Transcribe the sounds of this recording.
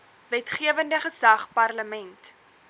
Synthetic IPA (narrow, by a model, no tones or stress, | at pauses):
vɛtχiəvəndəχəsɐχpɐrləmɛnt